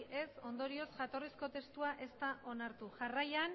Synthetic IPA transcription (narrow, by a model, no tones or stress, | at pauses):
ʔe̞so̞nd̪o̞ɾio̞sʝat̪o̞risko̞t̪e̞st̪uaʔe̞st̪aʔo̞naɾt̪uʝarajan